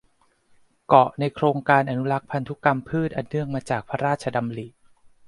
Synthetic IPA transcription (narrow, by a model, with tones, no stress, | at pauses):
kɔ˨˩ʔna˧jkʰɾoː˧ŋkaː˧nʔa˧nu˦˥la˦˥k̚pʰa˧nt̪ʰu˦˥ka˧mpʰɯː˥˩t̪̚ʔa˧nːɯ˥˩əŋmaː˧t͡ɕaː˨˩k̚pʰa˦˥ɾaː˥˩t̪̚t͡ɕʰa˧da˧mli˨˩ʔ